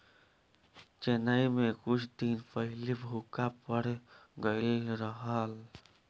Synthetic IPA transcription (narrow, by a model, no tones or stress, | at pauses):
t͡ʃenəimẽkʊt͡ʃʰd̪inpəɦlibʱukapəɾɡəɾəɦal